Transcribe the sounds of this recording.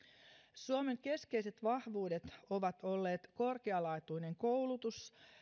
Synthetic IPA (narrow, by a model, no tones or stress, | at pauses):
suomeŋke̞ske̞jse̞t̪ʋɑhʋuːde̞t̪o̞ʋɑt̪o̞lːe̞ːt̪ko̞rkeɑlɑjt̪ujne̞ŋko̞wlut̪us